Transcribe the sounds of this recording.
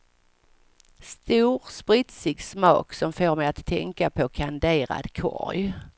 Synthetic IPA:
st̪uːɾspɾɪt̪sɪɡsmɑ̰ːksɔmfoːɾmɛjat̪ʰːɛŋkapʰɔkʰand̪eːɾa̰d̪kʰɔ̰ɾj

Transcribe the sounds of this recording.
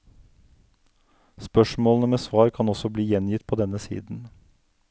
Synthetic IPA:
spœʃmoːlnəmeːsʋɑːɾkʰɑnɔsɔbliːjɛnjɪt̪pʰoːd̪ɛnəsḭːd̪n̩

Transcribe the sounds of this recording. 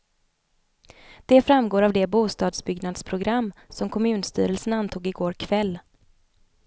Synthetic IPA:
d̪̥ɛfɾamɡoːɾavd̪ɛbuːst̪ɑːd̪sbʏɡnad̪spʰɾʊɡɾamːsɔmkʰɔmʉ̟ːnst̪y̰ːɾəlsənant̪ʰuːɡɪɡoːɾkʰvɛlː

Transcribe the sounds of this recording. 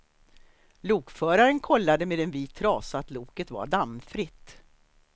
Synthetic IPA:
luːkfœːɾaɾənkʰɔlːad̪əmeːd̪ɛnviːt̪ʰːɾɑːsaat̪luːkət̪va̰ɖamfɾɪt̪ː

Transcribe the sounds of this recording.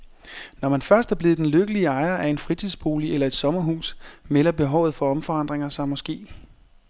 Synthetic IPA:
nɒmænfɶɐsd̥æɐb̥le̝ːð̩d̥enløɡ̥əliəɑ̈ɪɐʔæe̝nfʁit͡sʰiðˠsb̥o̝ːliʔelɐe̝d̥sɒ̽mɐɦṵːsmelɐb̥e̝ɦɒʊð̞̩ˠfɒ̽ɒ̽mfɒ̽ɑ̈n̰d̥ʁeŋɐsɑmɒ̽sɡ̥e̝̰ː

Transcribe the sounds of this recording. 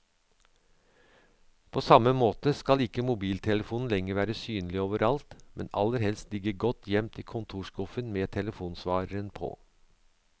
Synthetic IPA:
pʰoːsɑmːəmoːt̪əskɑlɪkːəmʊbiːlt̪ʰɛləfuːnn̩lɛŋəɾʋæːɾəsyːnlɪoːʋəɾʔɑlt̪mʔɛnɑ̰lːəɾɦɛlst̪lɪɡəɡɔt̪ʰːjɛmt̪ʰɪkʰʊnt̪ʰuːʂkʊfənmeːt̪ʰɛləfuːnsʋɑːɾəɾənpʰo̰ː

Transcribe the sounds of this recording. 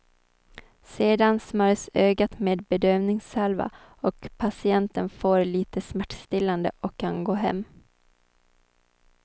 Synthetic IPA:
seːd̪ansmœɾsøːɡat̪meːd̪̚bɛd̪øːvnɪŋsalva̰ | ɔkpʰasɪɛnt̪ənfoːɾliːt̪əsmæʈst̪ɪlːand̪ə̰ʔɔkʰːanɡoːɦɛ̰mː

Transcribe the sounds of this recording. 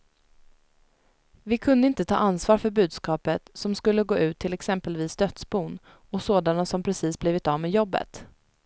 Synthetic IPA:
vɪkʰɵnd̪əɪnt̪ət̪ʰɑ̰ːʔansvɑːɾfœɾbʉ̟ːd̪skɑːpət̪sɔmskɵlːəɡoːʉ̟ːt̪ʰːɪlɛksɛmpəlviːsd̪œt̪sbuːn | ɔsoːd̪anasɔmpʰɾɛsiːsbliːvɪt̪ɑːvmeːjɔbːə̰t̪

